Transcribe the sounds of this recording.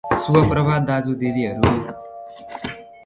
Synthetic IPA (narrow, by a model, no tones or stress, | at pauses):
suʌpɾʌbʱad̪ad͡zud̪id̪iɦʌɾu